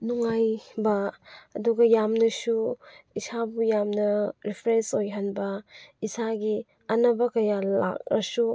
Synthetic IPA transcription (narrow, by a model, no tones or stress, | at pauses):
nuŋajbɐːduɡɐjamnɐsuisabujamnɐɾipʰɾensojɦanbɐisaɡi | ɐnɐbɐkɐjala̰k̚ɾɐsu